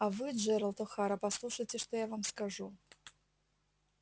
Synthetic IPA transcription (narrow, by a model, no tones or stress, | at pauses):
ɐvɨʐɛɾɐlˠt̪ɔxaɾɐpɐslˠuʂəjtʲɪʂt̪ojavamskaʐu